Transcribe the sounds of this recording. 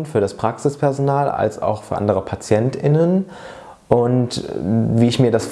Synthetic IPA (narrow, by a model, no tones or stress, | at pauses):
nfyːɐɾaspʁ̥aksɪspʰɛɐzonaːla̰lsa̰ʊxfyːɐʔa̰ndəʁəpʰat͡sjɛntɪnən | ʔʊntviːɪçmiːɐdasf